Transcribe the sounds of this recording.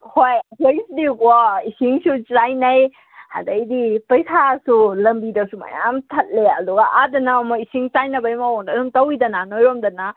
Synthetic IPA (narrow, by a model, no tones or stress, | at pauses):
hojɐkojsdikɔisiŋsut͡ʃajnɐj | hɐ̰ndɐjdipɐjsasulɐmbidɐsuma̰ja̰mtʰɐt̚leɐ̰duɡaʔadɐnamoisiŋt͡ʃajnɐbɐjmɐwoŋdadumtɐwidɐnanojɾomdɐna